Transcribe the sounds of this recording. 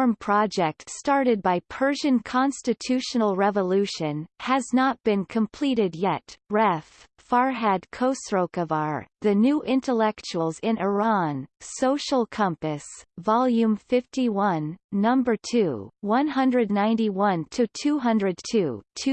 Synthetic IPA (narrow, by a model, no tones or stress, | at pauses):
ɹmpʰɹ̥ɑd͡ʒɛk̚tstɑɹɾɨd̚baɪpʰɜ˞ʒɨ̃nkʰɑ̃nstɨtʰʉʃɨn̩l̩ˠɹɛvəlʉʃɨ̃nɨznət̚b̥ɨ̃nkʰə̃mpʰl̥iɾɨdjɛt̚ɹæf | fɑɹɦæd̚kʰoʊstɹoʊkʌvɑɹðɨnʉʔɪ̃ntəlɛk̚t͡ʃuəl̩ˠzɪ̃nʔə˞ɑ̃nsoʊʃl̩ˠkʰʌ̃mpɨsvɑlˠjʉ̃ɱfɪftiwʌ̃nːʌ̃mbə˞tʰʉ̰wʌ̃nɦʌ̃ndɹɨdⁿnãɪ̃ntiwʌ̃ntʰɨtʰʉɦʌ̃ndɹɨd̚tʰʉ̰tʰʉ